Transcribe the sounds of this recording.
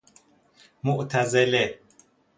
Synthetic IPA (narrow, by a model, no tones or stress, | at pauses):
moʔt̪ʰæzele